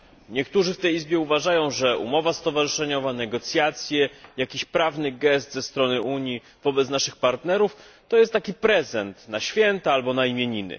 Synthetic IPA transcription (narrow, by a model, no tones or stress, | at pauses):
ɲɛkt̪uʐɘft̪ɛjizbʲjɛuvaʐajɔ̃w̃ʐɛṵmɔvast̪ɔvaʐɨʂɛɲɔvanɛɡɔt̪sʲjat̪sʲjɛjakʲiɕpɾavnɘɡɛst̪zɛst̪ɾɔnɘʔuɲji | vɔbɛt̪snaʂɘxpaɾt̪nɛɾuft̪ɔjɛst̪ːakʲipɾɛzɛnt̪naɕfʲjɛnt̪aalbɔnaimʲjeɲinɘ̰